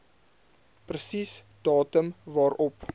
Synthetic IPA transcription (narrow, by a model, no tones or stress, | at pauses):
prəsis | d̥ɑːtəmvɑːɾɔp